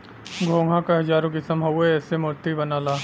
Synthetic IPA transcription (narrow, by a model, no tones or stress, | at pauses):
ɡʱõːŋɡʱãkaɦɐd͡ʒaːɾõɡɪsɐmɦɐeɛːsemʊɾt̪ibɐnaːlaː